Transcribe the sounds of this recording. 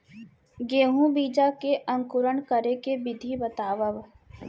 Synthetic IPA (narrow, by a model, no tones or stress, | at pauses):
ɡeːɦũbiːd͡ʒakeʔɐ̃ŋkʊɾəɳkəɾekebɪd̪ʱibɐt̪aːʋəʋ